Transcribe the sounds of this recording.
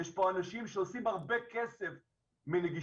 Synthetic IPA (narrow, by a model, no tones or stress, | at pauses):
eʃpoanaʃimʃeosimhaʁbekesef | mileɡi